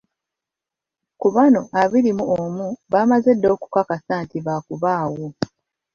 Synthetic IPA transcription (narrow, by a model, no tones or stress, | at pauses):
kuβano̞ʔaβiɾimuomuβaːmaze̞dːo̞ːku̥kakasaːntiβakuβaːwo